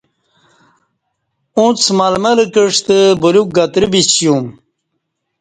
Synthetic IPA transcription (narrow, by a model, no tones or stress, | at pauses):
ũt͡smalmɐləkəʂt̪əbuluk̚ɡɐt̪ɾibit͡ɕjum